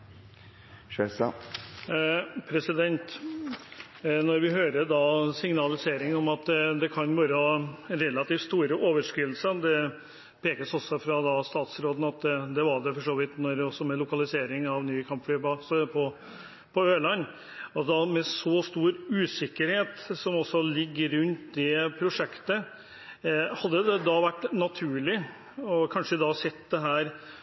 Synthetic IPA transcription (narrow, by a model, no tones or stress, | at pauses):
s | pʰɾɛsɪd̪ɛnt̪ | nɔɾʋɪɦøːɾəd̪ɑsɪŋnɑlɪseːɾɪŋɔmɑt̪d̪ɛkʰɑnʋɑːɾəɑɾɛlɑt̪iːft̪st̪uːɾəʔoːʋəʂkɾɪll̩səd̪ɛ | pʰeːkəsɔsːɔfɾɑd̪ɑst̪ɑːt̪sɾoːd̪n̩ɑt̪d̪ɛʋɑɖɛfɔʂoːʋɪt̪nɔɾɔsːɔmɛlʊkɑlɪseːɾɪŋɑʋnyːkʰɑmpflyːpɔsɔpʰɔ | pʰɔøːlɑnː | ɑt̪d̪ɑmɛsɔst̪uːɾʉːsɪkːəɾheːt̪sɔmɔsːɔlɪɡːəɾʉnt̪d̪ɛpʰɾʊʂɛkt̪ə | hɑd̪ːəd̪ɛd̪ɑʋæʈːnɑt̪ʰʉːɭɪ | ɔkʰɑnʂəd̪ɑsɛt̪ːd̪ɛɦæːɾ